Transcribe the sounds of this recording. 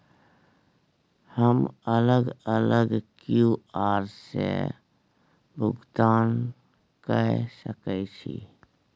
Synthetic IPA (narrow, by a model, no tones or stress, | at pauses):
həmələɡələɡkjuaːɾsḛ | bʱʊɡt̪aːn | kəsəkəit͡ʃʰḭː